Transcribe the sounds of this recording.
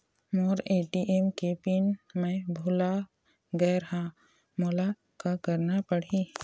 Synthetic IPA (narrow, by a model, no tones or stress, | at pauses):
moːɾeːʈiʔemkepinmẽbʱʊla | ɡɛːɾɦã | moːla | kakəɾnapəɽ̤i